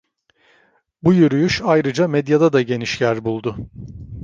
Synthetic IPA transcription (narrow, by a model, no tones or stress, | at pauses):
bujyɾyjyʃajɾɯd͡ʒamɛd̪jad̪ad̪aɟe̞niʃjæɾbulˠd̪ʊ